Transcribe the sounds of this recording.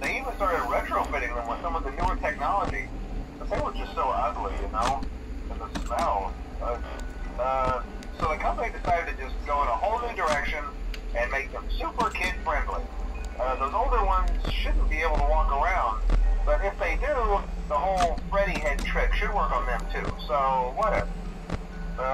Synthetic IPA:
ðeɪivə̃nstɑɹɾɨd̚ɹɛtɹ̥oʊfɪɾɪ̃ŋðə̃mwəð̥sʌ̃mʌvðɨnuə˞tʰɛk̚nɑlˠəd͡ʒibʌðeɪwʌzd͡ʒʌstsoʊʌɡˡlijɨnoʊ | ɨ̃nðəsmɛlˠbʌ | ʌ | soʊðɨkʰʌ̃mpənidɨsaɪɾɨd̚tʰɨd͡ʒʌsɡ̥oʊə̃ɾ̃əhoʊlˠnidə˞ɛkʃɨ̃nɨ̃nmeɪk̚ðɨ̃msʉpə˞kʰɪd̥fɹɛ̃ndˡlḭʌðoʊzoʊlˠdə˞wʌ̃nz̥ʃʊdⁿn̩b̥ieɪbl̩ˠtəwɔkə˞ãʊ̃nd̚b̥ʌɾɪfðeɪdʉðəhoʊlˠfɹɛɾiɛd̚tʰɹ̥ɪkʃɨd̚wɜ˞kn̩ðɨ̃mtʰʉ̰soʊwʌɾɛvə˞ | ʌ

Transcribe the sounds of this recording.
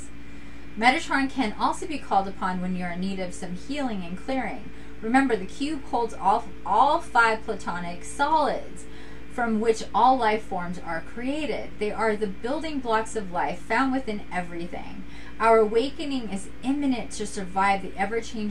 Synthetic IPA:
mɛɾɨtʰɹ̥ɑ̃nkʰɨ̃nʔɔlˠsoʊbikʰɔlˠdəpʰɑ̃nwɨ̃njəɨniɾʌv̥sʌ̃mhilˠɪ̃ŋɨ̃nkʰl̥ɪɹɪ̰̃ŋ | ɹɨmɛ̃mbə˞ðɨkʰj̥ʉkʰoʊlˠdzɔf | ʔɔlˠfaɪv̥pʰl̥ətʰɑnɪksɑlˠɪdz̥ | fɹʌ̃mwɪt͡ʃɔlˠlaɪfɔɹmzə˞kʰɹ̥ieɪɾɪ̰d̪̚ðeɪʔə˞ðɨbɪlˠdɪ̃ŋblɑksʌvlaɪfãʊ̃ndwɨθɪ̃nɛvɹiθɪ̰̃ŋ | ʔaʊə˞əweɪkɨnɪ̃ŋɪz | ɪ̃mɨnɨ̃ntʰɨsə˞vaɪvðiʔɛvə˞t͡ʃʰẽɪ̃n

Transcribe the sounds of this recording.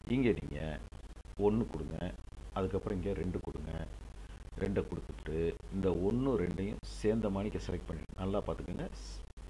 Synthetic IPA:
ɪŋɡeːnḭːŋɡɐ̰ | ɔnːɯkʊɽɯŋɡɐ̰ɐðɯkːɐpːɯɾɔ̃ɪŋɡeːɾɛɳɖɯkʊɽɯŋɡɐ̰̃ | ɾɛɳɖɐkʊɽɯk̪ːɯt̪ːʈːɯɪnd̪ɐɔnːɯɾɛɳɖɐjʊ̰̃seːɾnd̪ɐmaːnɪkːɐsɐlɐk̚ʈ̚pɐɳːɪ̰nɐlːaːpaːɾt̪ɯkːeːŋɡɐ

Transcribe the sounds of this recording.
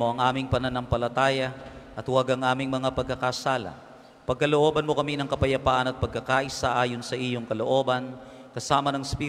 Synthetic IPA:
oɐŋʔaːmɪŋpɐnɐnɐmpɐlɐt̪aːjɐʔɐt̪waɡɐŋʔaːmɪŋmɐŋapɐɡ̚kːɐkɐsaːlɐ̰ | pɐɡ̚kɐloʔo̞ːbɐnmo̞kɐminɐŋkɐpɐjɐpaːʔɐnɐt̪̚pɐɡ̚kɐkaʔɪsaʔaːjo̞nsɐʔijoŋkɐlo̞ʔo̞ːbɐn | kɐsaːmɐnɐŋspi

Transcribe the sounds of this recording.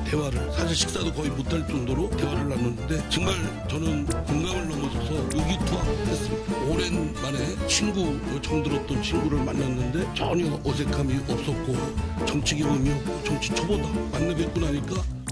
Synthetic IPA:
te̞waɾɯɭsʰaɕ̬ʰiɭɕʰi̥k̚s͈adokʌimutʰaɭt͡ɕ͈oŋdoɾote̞waɾɯɭːanːɯnɯnde̞t͡ɕʌŋmaɭ | t͡ɕʌnɯnkuŋɡamɯɭnʌmʌd͡ʑʰʌsʰʌjoɡitʰuanes͈ɯmtoɾe̞nmane̞t͡ɕʰinɡuɭt͡ɕʌŋdɯɾʌt̚t͈ʌnt͡ɕʰinɡuɾɯɭmanːanːɯnde̞t͡ɕʌ̰ɲʌʔʌs̬ʰe̞kʰamiʔʌp̚s͈ʌt̚k͈ot͡ɕʌŋt͡ɕʰiɡjʌŋʌmit͡ɕʌŋt͡ɕʰi̥t͡ɕʰobodamanːɯɡjet̚k͈unaɲik͈a

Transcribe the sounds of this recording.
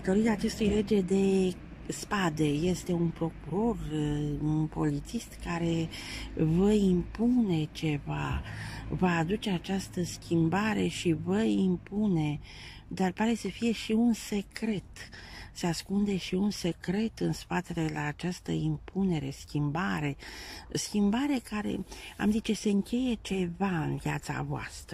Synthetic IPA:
d̪at̪o̞ɾiaːt͡ʃe̞st̪ujle̞d͡ʒe̞d̪e̞ | spad̪e̞je̞st̪e̞unpɾo̞kuɾo̞runpo̞̰lit̪sist̪kaɾe̞ | vəimpune̞t͡ʃe̞va | vaːd̪ut͡ʃe̞at͡ʃast̪əskʲimbaɾe̞ʃivəimpune̞ | d̪arpaɾe̞səfije̞ʃiunse̞kɾe̞t̪se̞askund̪e̞ʃiunse̞kɾe̞t̪ɨnspat̪e̞le̞laːt͡ʃast̪ə̰impʰune̞ɾe̞̰skʲimbaɾe̞skʲimbaɾe̞kaɾe̞̰a̰mzit͡ʃe̞se̞ɨŋkʲe̞je̞t͡ʃe̞vaɨnvjat̪sa̰voa̰st̪ɾə

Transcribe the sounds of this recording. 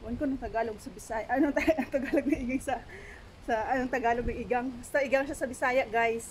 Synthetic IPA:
wɐnkonɐŋt̪ɐɡaːloɡsɐbɪsaːjʔɐnoɐŋt̪ɐɐŋt̪ɐɡaːloɡ̚nɐʔɪɡaŋsɐ | sɐʔɐnoŋt̪ɐɡaːloɡ̚nɐŋʔɪɡaŋbɐst̪ɐʔɪɡaŋʃasɐbɪsaːjɐʔɡajs

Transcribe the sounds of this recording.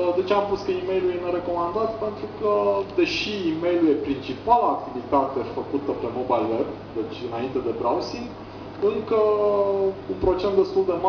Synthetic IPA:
d̪e̞t͡ʃampuskəime̞jlujeneɾe̞ko̞mand̪at̪pe̞nt̪ɾukəd̪e̞ʃiːme̞jluje̞pɾint͡ʃipalaːk̚t̪ivit̪at̪e̞fəkut̪əpe̞mo̞bajlweb | d̪e̞t͡ʃʲɨnaint̪e̞d̪e̞bɾawsiŋɡ | ɨŋkə | unpɾo̞t͡ʃent̪d̪e̞st̪uld̪e̞ma

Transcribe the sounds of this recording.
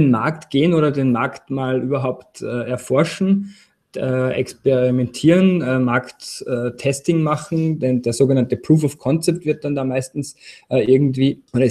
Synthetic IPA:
enma̰ɐktɡ̥eːənoːɾɐdeːnmaɐktmaːlʔyːbɐɦaʊptɛːɛɐfɔɐʃn̩ | ɛːɛ̰kspeʁimɛntʰiːənɛmaɐktɛːtʰɛstɪŋmaχn̩dɛndeːɐzoːɡənantəpʁ̥uːfɔfkʰɔnt͡sɛp̚tv̥ɪɐt̚d̥andaːmaɪstn̩sʔɛːʔɪɐɡŋ̩tv̥iːʔoːɾɐ

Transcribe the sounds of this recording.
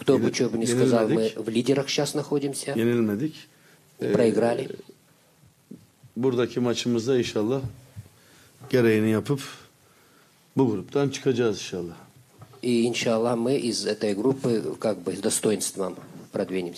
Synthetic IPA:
kt̪obɨt͡ʃobɨnʲɪskɐzallˠmɨvlʲidʲɪɾɐxʃasnɐxo̞dʲimsʲɐenilʲmed̪icʲ | ɪpɾɐɪɡɾalʲɪ | buɾd̪acʰimat͡ʃʰɯmɯzd̪ainʃalˠːah | ɟ̥e̞ɾejinijapʰɯp | buɡɾupt̪ʰant͡ʃʰɯ̥kʰad͡ʒaːzinʃalˠːah | iinʃaːlˠːamɨʔizɛt̪əjɡɾupːɨkak̚bɨzd̪ɐst̪o̞jɪnst̪vəmpɾɐd̪vʲinʲɪmsʲ

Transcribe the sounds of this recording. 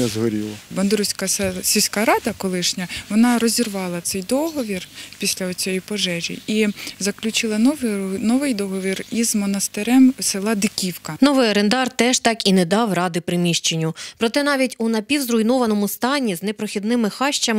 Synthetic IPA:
ɐzɦɔɾʲḭlˠɐbɐnd̪ɾusʲkɐssʲisʲkɑɾɑd̪ɐkɔlˠɪʃnʲɐʋɔnɑɾɔzʲirʋɑlˠɐt̪sɛjd̪ɔɦɔʋʲirpʲisʲlʲɐɔt͡sʲɔjipɔʒɛʒʲḭizɐklʲʊt͡ʃɪlˠɐʋnɔʋɪjd̪ɔɦɔʋʲirizmɔnɐst̪ɪɾɛmsɪlˠɑd̪ɪkʲiwkɐnɔʋɪjɐɾend̪ɑrt̪ɛʒt̪ɑkinɛd̪ɑwrɑd̪ɪpɾɪmʲiʃt͡ʃenʲːʊpɾɔt̪ɛnɑʋʲitʲunɐpʲiwzɾʊjnɔʋɐnɔmʊst̪ɑnʲiznɛpɾɔxʲid̪nɪmɪxɑʃt͡ʃɐm

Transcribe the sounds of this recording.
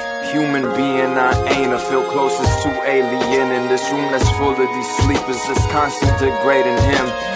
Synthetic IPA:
hjʉmɨ̃nbiɨ̃naʔẽɪ̃nəfilˠkʰl̥oʊsɨstʰəʔeɪliɪ̃nɨ̃nðɪsɹũmɨz̥fʊlˠədislipɨzðɪskʰɑ̃nstɨ̃nʔliɡɹeɪɾɨ̃nɪ̃m

